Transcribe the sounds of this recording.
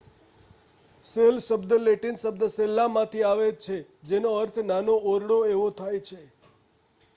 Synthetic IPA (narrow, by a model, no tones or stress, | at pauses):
selʃəbd̪leʈinsəbd̪selːamãt̪ʰiaʋet͡ʃʰe | d͡ʒenoəɾt̪ʰnanoʔoɾɽoeʋot̪ʰajt͡ʃʰe